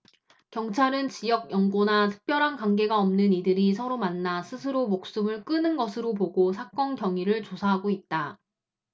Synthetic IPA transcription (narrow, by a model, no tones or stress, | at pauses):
kjʌŋt͡ɕʰaɾɯnt͡ɕijʌɡ̚jʌŋɡonatʰɯ̥k̚p͈jʌɾɦankwaŋɡe̞ɡaʌmnɯnidɯɾisʰʌɾomanːasʰɯsʰɯɾomok̚s͈ɯmɯɭk͈ɯnɯnɡʌsʰɯɾopoɡosʰak͈ʌnkjʌŋiɾɯɭt͡ɕosʰaɦaɡoit̚t͈a